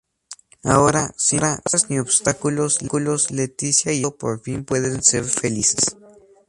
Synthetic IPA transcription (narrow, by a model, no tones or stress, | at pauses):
aoɾasiɾasasniobst̪akuloslkuloslet̪isjajopo̰ɾfimpweðenseɾfelise̥s